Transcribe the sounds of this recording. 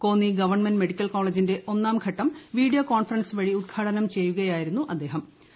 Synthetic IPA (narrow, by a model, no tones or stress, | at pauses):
ko̞ːnːiɡɐʋɐrɳmenɖme̞ɽikʲːɐlko̞ːɭeːd͡ʑinde̞ʔo̞nːaːmɡʰʱɐʈːɐmʋiːɖijoːkoːnfɐrɐnsʋɐɻiud̪̚ɡʰaːʈɐnɐmt͡ɕe̞jːuɣɐjaːjiɾunːuʔɐd̪ːe̞ːɦɐm